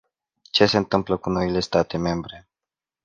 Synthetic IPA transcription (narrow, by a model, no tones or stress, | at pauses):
t͡ʃe̞se̞ɨnt̪ɨmpləkuno̞ile̞st̪at̪e̞me̞mbɾe̞